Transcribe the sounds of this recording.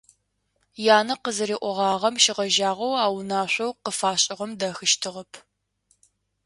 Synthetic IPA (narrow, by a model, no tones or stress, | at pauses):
jaːnɐqəzɨɾiːʔʷɔʁɑːʁɐmʃɪʁɐʒaːʁɐwaːwnaːɕʷɐwqəfaːɕʼɪʁɐmdɐxɨʃtʰɨʁɐpʰ